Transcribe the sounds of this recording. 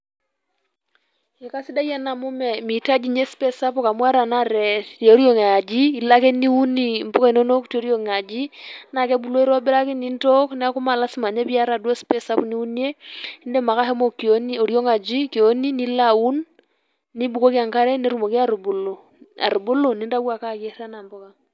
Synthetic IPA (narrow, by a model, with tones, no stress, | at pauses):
e˨ka˦sɪ˦da˦ja˦na˨mu˦mɛ˨mi˨ta˦d͡ʒi˨ɲe˦spɛ˦sa˦pɔ˦ka˨mwa˦ɾa˨na˦ɾɛ˨o˦ɾjo˨ŋa˨d͡ʒi˦i˨la˦ke˦ni˦u˦ni˨m˨po˦ka˦i˨no˦no˦kto˦ɾjo˨ŋ˨a˨d͡ʒi˦na˨kɛ˦bu˨lo˦i˦ɾɔ˦bɪ˦ɾa˦kɪ˦ni˦nto˦knɛ˦a˦kʊ˦ma˨la˦si˦ma˨ɲe˦pi˦a˦ɾa˨dwo˦spɛ˦sa˦pni˦u˦ni˦e˦nde˦ma˨ka˦ɦɛ˦mo˦ko˦ni˦o˨ɾjo˦ŋa˨d͡ʒi˦ke˨o˦ni˦ni˦la˨u˦nː | i˦bu˨ko˦ki˦a˨ŋka˦ɾɛ˦ne˦ɾu˦mo˨ke˦a˦ɾu˨bʊ˨lo˨ | a̰˨ɾu˨bʊ˦lo˨ni˦nɾa˦wa˨ka˦˨ke˦ɾa˦na˨mbɔ˦ka˨ŋ